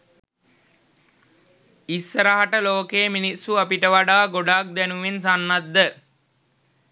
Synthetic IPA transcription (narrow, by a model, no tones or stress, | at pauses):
isːəɾaɦaʈəloːkeːminisːuapiʈəʋaɖaːɡoɖaːk̚d̪ɛnuʋens̬anːad̪ːə